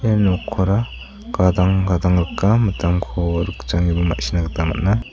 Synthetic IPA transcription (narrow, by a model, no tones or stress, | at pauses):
enɔkʰːɔɾa | ɡ̥adaŋɡadaŋɾɯkːamɐtʰamkʰɔɾɯkt͡ʃaŋibɯma̰ʔsinaɡɯtama̰t̚na